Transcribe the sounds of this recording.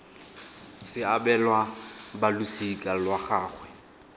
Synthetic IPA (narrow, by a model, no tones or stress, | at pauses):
sɪabɛlwabalʊsikʼalwaχaːχwɛ